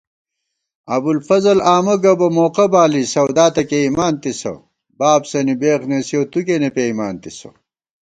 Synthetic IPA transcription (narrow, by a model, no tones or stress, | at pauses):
ɐbulfɐzɐlaːmɐɡɐbɐmoːqɐbaːlisɐwd̪aːt̪ɐkeimaːnt̪isɐ̰ | baːbsɐnibeːqnesiowt̪ukenepeimaːnt̪isɐ̰